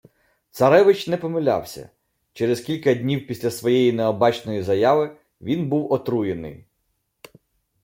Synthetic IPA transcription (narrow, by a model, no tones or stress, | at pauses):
t̪sɐɾɛʋɪt͡ʃnɛpɔmɪlʲa̰wsʲɐ̰ | t͡ʃɛɾezkʲilʲkɐdʲnʲiwpʲisʲlʲɐsʋɔjɛjineɔbɑt͡ʃnɔjizɐjaʋɪ | ʋʲinbuwɔt̪ɾujenɪ̰j